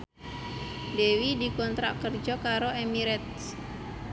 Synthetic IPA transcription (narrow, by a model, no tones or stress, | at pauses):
dewidikɔnt̪ɾa̰kərd͡ʒɔkaɾoemiɾɛt̪̚